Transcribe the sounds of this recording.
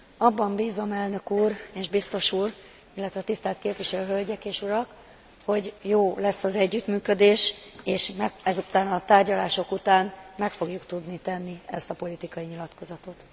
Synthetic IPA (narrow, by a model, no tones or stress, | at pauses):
ɒbːɒmbiːzo̞mɛlnø̞kuːreːʒbist̪o̞ʃuːr | ilːɛt̪ʋɛt̪ist̪ɛlt̪keːpʋiʃɛlyɦølɟɛkeːʃuɾɒk | ho̞ɟjoːlɛsːɒzɛɟːyt̪myːkø̞d̪eːʃeːʃmɛɛzut̪aːnɒt̪aːrɟɒlaːʃo̞kut̪aːnmɛkfo̞ɡjukt̪ud̪nit̪ɛnːiɛst̪ɒpo̞lit̪ikɒjiɲilɒt̪ko̞zɒt̪o̞t̪